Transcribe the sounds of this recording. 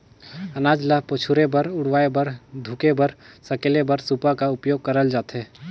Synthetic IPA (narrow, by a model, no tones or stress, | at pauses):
ənaːd͡ʒləɦpot͡ʃʰuɾebəɾʊɽʋaːebəɾd̪ʱʊkebəɾsɐkeːlebəɾsupakaʊpjoːɡ̚kəɾəld͡ʒaːt̪ɦeː